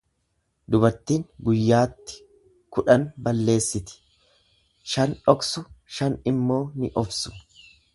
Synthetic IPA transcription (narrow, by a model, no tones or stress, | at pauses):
d̪ʊbɐɾt̪ːiːŋɡʊjːaːt̪ːɪ̥ | kʊᶑɐnbɐlːe̞ːsːɪt̪ɪ̥ | ʃɐnᶑɔksʊʃɐnɪmːo̞ːnɪʔɔfsʊ̥